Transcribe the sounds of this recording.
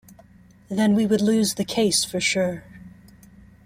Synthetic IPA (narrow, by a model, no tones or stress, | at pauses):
ðɨ̃nwiwədˡlʉzðɨkʰeɪsfə˞ʃʊɹ